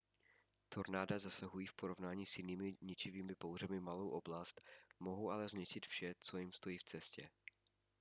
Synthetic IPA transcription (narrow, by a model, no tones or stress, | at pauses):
t̪o̞ɾnaːdazasaɦujiːfpo̞ɾo̞vnaːɲiːsjɪniːmɪɲɪt͡ʃɪviːmɪpowr̝ɛmɪmalowʔo̞blast̪mo̞ɦowʔalɛzɲɛt͡ʃɪt̪fʃɛt͡so̞jɪmst̪o̞jiːft͡sɛscɛ